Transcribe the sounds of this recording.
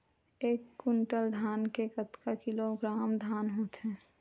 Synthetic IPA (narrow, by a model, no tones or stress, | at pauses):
eːkːʊɳʈəld̪ʱaːnkekət̪kakiloɡɾaːmd̪ʱaːnɦot͡ʃʰɛ